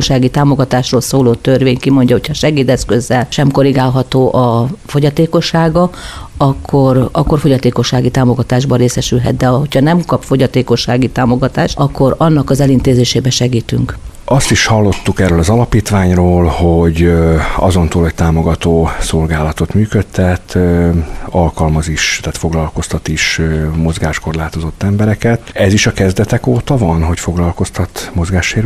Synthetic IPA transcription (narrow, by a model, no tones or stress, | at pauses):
oʃaːɡit̪aːmo̞ɡɒt̪aːʃroːlsoːloːt̪ørʋeːɲkimo̞ɲɟɒɦo̞cʰhɒʃɛɡiːt̪ɛskøzːɛlʃɛmko̞ɾiɡaːlɦɒt̪oːʔɒfo̞ɟɒt̪eːko̞ʃːaːɡɒɒkʰːorɒkːo̞rfo̞ɟɒt̪eːko̞ʃːaːɡit̪aːmo̞ɡɒt̪aːʒbɒɾeːsɛʃylɦɛ̰t̪̚d̪ɛɦo̞chɒnɛmkɒpfo̞ɟɒt̪eːko̞ʃːaːɡit̪aːmo̞ɡɒt̪aːʃɒkːo̞ɾɒnːɒkɒzɛlint̪eːzeːʃeːbɛʃɛɡiːt̪yŋk | ʔɒst̪iʃhɒlːo̞t̪ːukɛrːøːlɒzɒlɒpiːt̪ʋaːɲroːlhoɟɒ̰zo̞nt̪oːlɛc̚t̪aːmo̞ɡɒt̪oːso̞lɡaːlɒt̪o̞t̪myːkøt̪ʰːɛt̪ | ɒlkɒlmɒziʃt̪ɛːt̪fo̞ɡlɒlko̞st̪ɒt̪iʃmo̞zɡaːʃko̞rlaːt̪o̞zo̞t̪ːɛmbɛɾɛkɛt̪ɛziʃɒkɛzd̪ɛt̪ɛkoːt̪ɒvɒnɦo̞cfo̞ɡlɒlko̞st̪ɒt̪mo̞zɡaːʃːeːɾ